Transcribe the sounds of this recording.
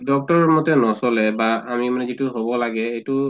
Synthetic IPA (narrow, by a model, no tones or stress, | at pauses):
dɔk̚tɔɹɔmɔtɛnɔsɔlɛbaːmimanɛzitʊɦobɔlaɡɛejtʊ